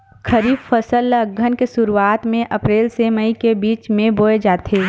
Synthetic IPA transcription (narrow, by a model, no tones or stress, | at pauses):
kʰɐɾiːbfəsələɡʱːənkesʊɾuaːt̪mẽʔɐpɾeːlseməikebiːt͡ʃmẽboːed͡ʒaːt̪ʰeː